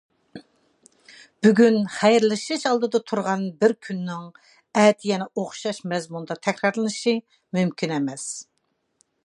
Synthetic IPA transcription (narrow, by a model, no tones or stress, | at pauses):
b̥yɡʲynχæjɾlˠɨʃɨʃɑlˠd̪ɨd̪ɑt̪ʰuɾʁɑnbɪɾkʲʰynːɪŋ | ɛːt̪ʰijɛnɛʔoχʃɑʃmɛzmund̪ɑt̪ʰɛkʲɾɑɾlˠɨnɨʃi | mymkʲʰinɛmɛs